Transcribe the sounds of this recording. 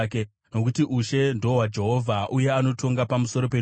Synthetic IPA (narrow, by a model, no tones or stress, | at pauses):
ke | no̞kutiʔuʃe̞ndo̞ɦwad͡ʒe̞ɦo̞vʱaʔuje̞ano̞tʰo̞ŋɡapamuso̞ɾo̞pe